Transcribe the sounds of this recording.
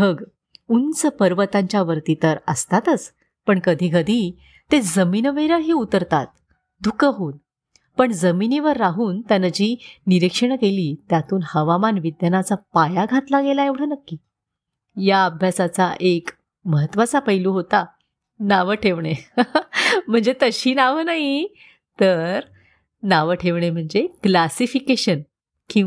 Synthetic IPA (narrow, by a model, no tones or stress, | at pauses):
əɡ | unt͡səpəɾʋət̪aɲt͡ɕjaʋəɾt̪it̪əɾəst̪at̪ət͡s | pəɳkəd̪ʱiːɡəd̪ʱi | t̪ed͡zəminəʋeɾəɦiːut̪əɾt̪at̪̚ | d̪ʱukəɦuːn | pəɳd͡zəminiʋəɾːaɦuːnt̪janad͡ʑiːniɾikʂəɳkeliːt̪jat̪uːnhəʋamanʋid̪janat͡sapajaɡʱat̪laɡelaeʋɽ̤anəkːiː | jaəbʱjasat͡saʔek | məɦət̪ːʋat͡sapəɦiluːɦot̪a | naʋəʈʰeʋɳe | m̤əɳd͡zet̪əɕiːnaʋənaɦi | t̪əɾ | naʋəʈʰeʋɳ̃em̤əɳd͡zeklasifikeɕən | kĩ